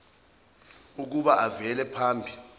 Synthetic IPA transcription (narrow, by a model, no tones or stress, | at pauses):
uk̬uɓaʔavɛlɛpʰaːmbʱi